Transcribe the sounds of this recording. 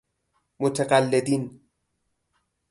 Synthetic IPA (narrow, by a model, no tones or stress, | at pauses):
mʊt̪ɐqʼalːɪd̪iːn